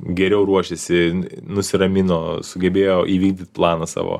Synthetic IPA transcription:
ɡʲɛɾʲɛʊɾuɔʃʲɛsʲɪnʊsʲɪɾɐmʲɪnoːsʊɡʲɛbʲeːjoːʔiːʋʲiːɡd̪ʲɪt̪̚ʲplˠɑːnɐsɑ̰ːʋo̰ː

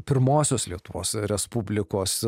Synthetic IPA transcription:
pʲɪɾmoːsʲoːslʲiɛt̪ʊʋoːsɾʲɛspubʲlʲɪkoːs

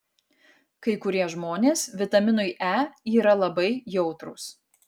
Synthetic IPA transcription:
kɐɪkʊɾʲiɛʒmoːnʲeːsʋʲɪt̪ɐmʲɪnʊɪʔæːiːɾɐlˠɐbɐɪjɛʊt̪ɾʊːs

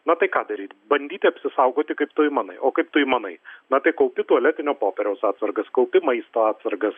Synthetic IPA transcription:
nɐt̪ɐɪkaːd̪ɐɾʲiːt̪ʲbɐnʲd̪ʲiːt̪ʲɐpʲsʲɪsɐʊɡoːt̪ʲɪkɐɪpt̪ʊjmɐnɐɪʔoːkɐɪp̚t̪ʊjmɐnɐɪnɐt̪ɐɪkɐʊpʲɪt̪uɔlʲɛt̪ʲɪnʲoːpoːpʲɛɾʲɛʊsaːt̪sɐɾɡɐskɐʊpʲɪmɐɪst̪oːaːt̪sɐɾɡɐs

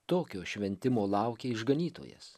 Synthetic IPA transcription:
t̪oːkʲoːʃʲʋʲɛnʲt̪ʲɪmoːlˠɑˑʊkʲeːɪʒɡɐnʲiːt̪o̰ːjɛ̰s

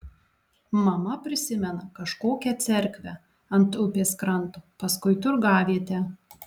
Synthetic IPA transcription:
mɐmɐpʲɾʲɪsʲɪmʲɛnɐkɐʃkoːkʲɛt̪sʲɛɾʲkʲʋʲɛ | ɐnt̪ʊpʲeːskɾɐnˑt̪oːpɐskʊɪt̪ʊɾɡɑːʋʲiːt̪ʲɛ

